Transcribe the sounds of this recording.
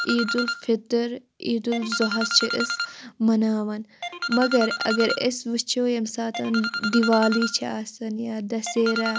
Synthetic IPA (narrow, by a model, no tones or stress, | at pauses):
ʔiːd̪ulfit̪ɐɾ | iːd̪ulzoɦɐst͡ʃʰiʔɪsmɐnaːʋɐnmɐɡɐɾɐ̰ɡɐɾesʋit͡ʃʰoːjɐmsaːt̪ɐnd̪iʋaːliːt͡ʃʰiaːsɐnjaːd̪ɐseːɾa